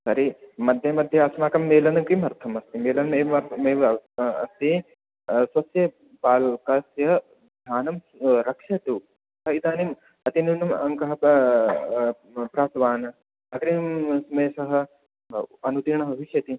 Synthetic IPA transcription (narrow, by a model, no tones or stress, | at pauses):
sɐɾimɐd̪ʱjɐmɐd̪ʱjɐɐsnaːkɐmːeːlɐnɐkimɐɾt̪ʰɐmɐst̪imeːlɐnmeːɐmeːɐ̰st̪i | swɐsjɐ | paːlkɐsjɐ | d̪ʱaːnɐm | ɾɐkʂɐt̪u | sɐit̪aːnim | ɐt̪inunumɐ̰ŋkɐɦɐ | pɾaːt̪ʋaːnɐ | ɐɡɾimsɐmeːsɐɦɐ̆ | ɐnut̪iːɳɐɦɐɦiʃjɐt̪i